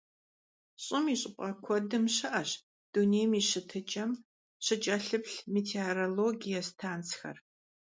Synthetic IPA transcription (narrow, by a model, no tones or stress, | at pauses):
ɕʼɪmiːɕʼɪpʷʼɐkʷʰɔdɨmɕɨʔɐɕ | d̥uneːjmiːɕɨtʰɨt͡ʃʼɐm | ɕɨt͡ʃʼɐɬɨpɬmiːtʰeoɾoloːɡijɐstʰaːnt͡sxɐ̰r